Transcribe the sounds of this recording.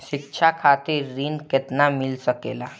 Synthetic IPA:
ɕikt͡ʃʰakʰat̪iɾːinket̪namilsəkela

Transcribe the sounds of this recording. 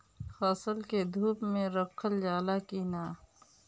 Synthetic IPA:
xaːsəlked̪ʱuːpmẽɾɐkʰːəld͡ʒaːlakiːnaː

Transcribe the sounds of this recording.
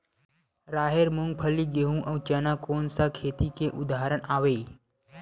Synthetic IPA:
ɾaːɦeɾmʊŋɡ̚pʰəlːiɡeɦũʔəːt͡ʃənakoːnsakʰeːt̪ikeʔʊd̪ʱaɦəɾənaːʋeː

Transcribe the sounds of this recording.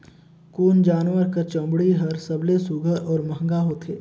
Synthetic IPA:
kuːnd͡ʒaːnʋəɾkəɾt͡ʃɐ̃mbɽiɦɐɾsɐblesuɡəʔɔːɾmɐɦŋɡaɦoːt̪ʰeː

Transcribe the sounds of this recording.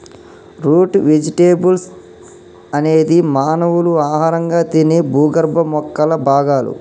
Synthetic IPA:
ɾuːʈʋed͡ʒiʈeːbuls | ɐneːd̪imaːnɐʋuluaːɦaːɾɐŋɡaːt̪inebʱuːɡɐɾbʱɐmɔkːɐlɐbʱaːɡaːlṵ

